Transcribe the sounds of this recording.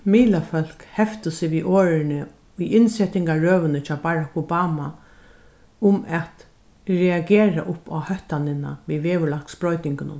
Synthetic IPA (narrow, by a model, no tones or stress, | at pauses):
miːlafœl̥khɛft̪əsɪʋiːʔoːɾɪnɪ | ʊjɪnsɛt̪ɪŋkaɹøːʋənɪt͡ʃʰɑːbaːɹakɔbaːma | ʊmɛt̪ | ɾɛaɡeːɾa̰ʔʊpa̰hœht̪anɪna̰ʋiːʋeːʋʊɭaksbɾɔʏt̪nɪŋkɪnʊ̰n